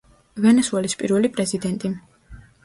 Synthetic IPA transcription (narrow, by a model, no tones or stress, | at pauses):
vɛnɛsuɛlispʼiɾvɛlipʼɾɛzid̪ɛnt̪ʼi